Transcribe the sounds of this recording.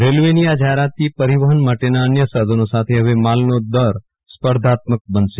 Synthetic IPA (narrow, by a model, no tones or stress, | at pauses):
ɾelʋenijad͡ʒaɦeɾat̪ipəɾiʋəɦənmaʈenaənjəsad̪ʱənosat̪ʰeɦəʋemalnod̪əɾ | spəɾd̪ʱat̪mək̚bənʃe